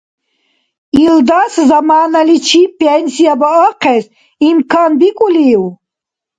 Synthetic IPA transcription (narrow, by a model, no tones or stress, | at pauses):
ild̪aszamaːnalit͡ʃʰipʰʼɛnsijabaəqʰɛs | imkʰanbikʼuliw